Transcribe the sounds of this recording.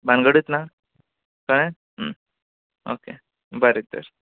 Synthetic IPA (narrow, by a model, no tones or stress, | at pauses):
banɡəɽit̪na | kəɽ̃e | ɦə | o̰kḛ | bəɾit̪ə̰ɾ